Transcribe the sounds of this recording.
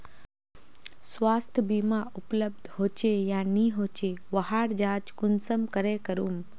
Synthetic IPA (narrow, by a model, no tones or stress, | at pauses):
sʋaːst̪ʰjəbiːmaʊpləb̚d̪ʱɦoːt͡ʃejãːniɦoːt͡ʃeʋɐɦaːɾd͡ʒaːt͡ʃkʊnsəmkəɾekəɾuːm